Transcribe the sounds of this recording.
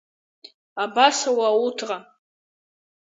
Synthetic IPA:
abasawautʰqʼa

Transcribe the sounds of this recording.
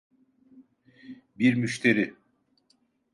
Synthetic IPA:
biɾmyʃt̪ʰeɾɪ

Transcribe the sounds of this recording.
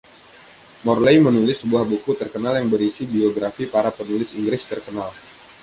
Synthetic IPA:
mɔrlejmənulɪsːəbuahbukut̪ərkənaljaŋbəɾisibioɡɾafipaɾapənulɪsiŋɡɾɪst̪ərkənal

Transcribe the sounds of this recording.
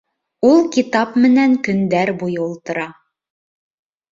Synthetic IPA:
ulˠkit̪ɑpmɘ̆næŋkɵ̆nd̪æɾbujɤulˠt̪ɤ̆ɾɑ

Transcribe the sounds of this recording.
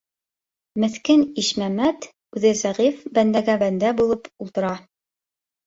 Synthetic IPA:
mɘ̆θkɘniʃmæmæt̪ | ʉðɘzæʁifbænd̪æɡæbænd̪æbulˠɤpulˠt̪ɤ̆ɾɑ

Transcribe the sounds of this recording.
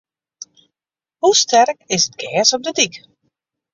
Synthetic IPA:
hustʰɛrkɪsət̚ɡɛːsɔp̚dədik

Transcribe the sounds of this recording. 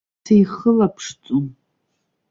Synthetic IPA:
ajχəlapʰʂt͡sʷʼʊn

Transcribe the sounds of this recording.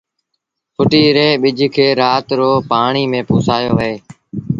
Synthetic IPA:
fʰʊʈiːɾeːɓɪd͡ʒʱkʰeːɾaːt̪ɾoːpaːɳiːmẽːpuːsaːjoːʋəeː

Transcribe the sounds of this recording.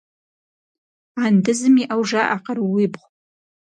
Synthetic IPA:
andɨzɨmiʔawʐaʔaqʼərwibχʷ

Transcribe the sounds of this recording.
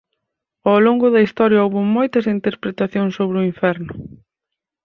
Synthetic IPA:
awloŋɡʊðɐist̪ɔɾjɐowβʊmojt̪ɐsint̪eɾpɾet̪aθjoŋsoβɾɪʊiɱfɛɾnʊ

